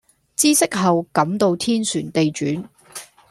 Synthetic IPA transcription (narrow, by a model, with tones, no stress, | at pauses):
t͡siː˥sɪ˥k̚ɦɐ˨wkɐ˨˥mt̪o˧wt̪ʰiː˥nsyː˨˩nt̪e˨jt͡ʃyː˨˥n